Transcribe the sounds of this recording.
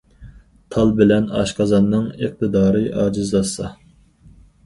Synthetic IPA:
t̪ʰɑlˠbɪlɛnɑ̰ʃqɑzɑnːɨŋeq̚t̪ɨd̪ɑːɾɨʔɑːd͡ʒɪzlˠɑsːɑ

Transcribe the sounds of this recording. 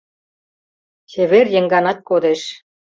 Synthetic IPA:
seβerjə̆ŋɡɑnɑt̪̚kod̪eʃ

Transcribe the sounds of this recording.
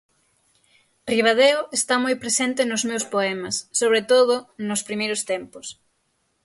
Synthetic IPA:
riβ̞að̞eʊest̪amojpɾesent̪ɪnʊzmewspoɛmɐsːoβ̞ɾet̪oðʊnʊspɾimejɾʊst̪empʊs

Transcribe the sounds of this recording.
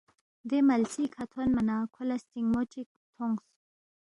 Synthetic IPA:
d̪emalsikʰat̪ʰonmanakʰʊlast̪iŋɡmot͡ʃik̚ | t̪ʰoŋɡs

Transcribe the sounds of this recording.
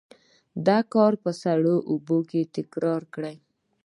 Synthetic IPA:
d̪ɑkɑɾpəsaɽoʔuboket̪ɪkɾɑɾkɽaj

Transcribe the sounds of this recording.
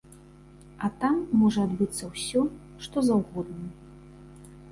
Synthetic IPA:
ɐt̪amːɔʐɐad̪bɨt̪sːɐwsʲɔ | ʂt̪ɔzawɣɔd̪nɐ

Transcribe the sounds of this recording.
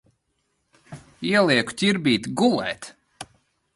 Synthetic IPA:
iɛlˠiɛku̥t̪ʲiɾbʲiːt̪ɡulˠɛ̰ːt̪

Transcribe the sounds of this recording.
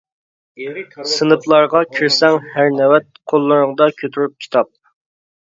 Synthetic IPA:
sɨnɨplˠɑɾʁɑkʲʰiɾsɛŋhæɾnɛwɛt̪̚qʰolˠːɨɾəŋəd̪ɑkʲʰøt̪ʰyɾyp̚kʲʰi̥t̪ʰɑp̚

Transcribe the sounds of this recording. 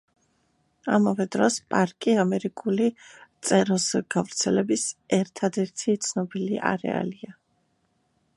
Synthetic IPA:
amavɛd̪ɾɔspʼaɾkʼiamɛɾikʼulit̪sʼɛɾɔsɡ̥avɾt̪sʰɛlɛbisɛɾt̪ʰad̪ɛɾt̪ʰit̪sʰnɔbiliʔa̰ɾɛ̰a̰lia

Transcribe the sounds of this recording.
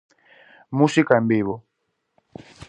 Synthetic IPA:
musikambiβɔ

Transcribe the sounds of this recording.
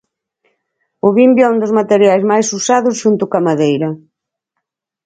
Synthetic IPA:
ʊβimbjɛund̪ʊzmat̪eɾjajzmajsusaðʊsʃunt̪ʊkamaðejɾɐ

